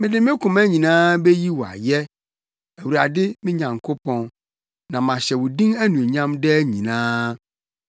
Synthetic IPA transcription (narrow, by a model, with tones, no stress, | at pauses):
mɪ̃˦dɪ˨˦mɪ̃˦kʰʊ̃˨mæ˦ɲĩ˨nãː˦bɛ˦ji˦wɔ˨a̰˨jɛ˦ | æ˨wu˨ɾa˨dɪ˦mɪ̃˦ɲã˨ŋkʰo˦pʰɔ̃˦n | nã˨mã˨ɕɛ˨wʊ˨dĩ˦ŋæ˦nũ˨ɲã˦mdɛ˦ɲḭ̃˨nãː˦